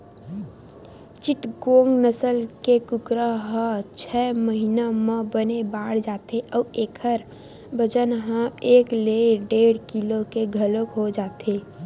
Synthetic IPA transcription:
t͡ʃɪʈɡoːŋɡnəsəlkekʊkɾəɦə̃t͡ʃʰɛːməɦinamãbənebaːɽ̤d͡ʒaːt̪eʔɔːeːkʰəɾ | bʱəd͡ʒənɦə̃eːkleːɖeːɽkilokeɡʱəlokɦod͡ʒaːt̪eː

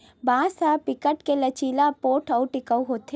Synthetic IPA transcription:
bãːsaːpɪkəʈkelɐt͡ʃiːlapoːʈʰɐʊʈɪkəuɦoːt̪ʰe

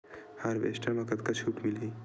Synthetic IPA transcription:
haɾbḛsʈamakɐt̪kat͡ʃʰuːʈmilɦi

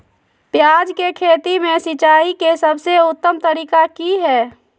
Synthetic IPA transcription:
pjaːd͡ʒkekʰeːt̪imẽsɪt͡ʃaːikesəbʱseʊt̪ːəmt̪əɾiːkakiɦɛː

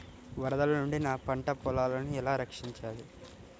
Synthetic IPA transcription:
ʋɐɾɐd̪ɐlɐnuɳɖinaːpɐɳʈɐpɔlaːlɐniɛlaːɾɐkʂiɲt͡ʃaːli

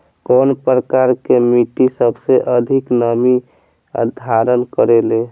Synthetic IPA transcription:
kɔnpɾəkaɾkemiʈisəbʱseʔəd̪ʱiknəmi | ə̰d̪ʱaɾənkəɾele

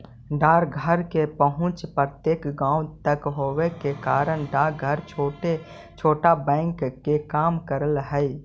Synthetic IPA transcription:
ɖaːɾɡʱəɾkepəɦʊ̃t͡ʃpɾt̪eːkɡãːut̪əkɦoːwekekaːɾəñɖaːɾɡʱəɾt͡ʃʰoːʈe | t͡ʃʰoːʈabɛ̃ːŋkːekaːmkəɾəlɦɛi

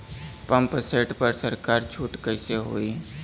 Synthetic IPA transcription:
pə̃mpseːʈpəɾsəɾkaːɾt͡ʃʰuːʈkəɪseɦo̰ːi

